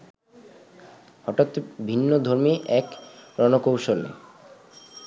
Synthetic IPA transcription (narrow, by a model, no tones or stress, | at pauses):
hɔʈat̪bʱinːod̪ʱoɾmiʔɛkɾɔnokowʃolḛ